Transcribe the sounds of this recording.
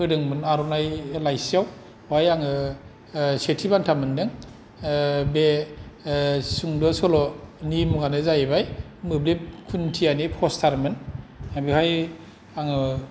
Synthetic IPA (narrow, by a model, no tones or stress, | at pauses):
kʰɯdɯŋmɯnaɾɔnajlajsijaw | wajaŋɯ | setʰibantʰamɯndɯŋ | be | suŋdɔsɔlɔnimuɡanɯzajbaj | mɯblep̚kʰuntʰijanipʰɔstʰaɾmɯnabihaj | aŋɯ